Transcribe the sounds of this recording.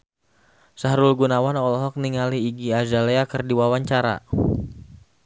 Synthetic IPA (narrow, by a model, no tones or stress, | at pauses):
saɦɾulɡunawanɔlɔɦɔk̚niŋaliːɡiazaleakərdiwawaɲt͡ʃaɾa̰